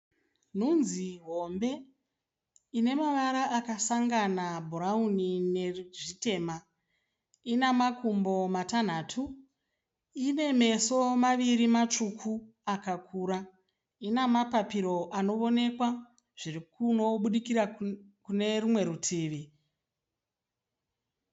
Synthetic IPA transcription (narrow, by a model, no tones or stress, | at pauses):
n̤unziɦo̞mbe̞ | ine̞maʋaɾaʔakasaŋɡanabʱuɾaunineʐite̞ːma | inemakumbo̞matan̤aːtʰu | ine̞me̞so̞maʋiɾimat͡ʂukʰu | akakʰuːɾa | inamapapiɾo̞ʔano̞ʋo̞ne̞kwa | ʐ̥irikuno̞ɓuɗikiɾakune̞rumwe̞ɾutʰiːʋi